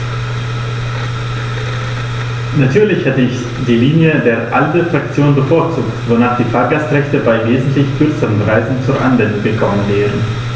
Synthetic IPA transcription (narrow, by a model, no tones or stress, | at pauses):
natʰyːɐlɪçhɛtəɪç | d̥iːliːnjədeːɐʔaldəfʁ̥ak̚t͡sjoːnbəfoːɐt͡suːktvonaːχd̥iːfaːɐɡastʁɛçtəbaɪveːzn̩tlɪçkʰʏɐt͡səʁənʁaɪzn̩t͡suːɐʔa̰nvɛndʊŋɡəkʰɔmənvɛːʁ̞ən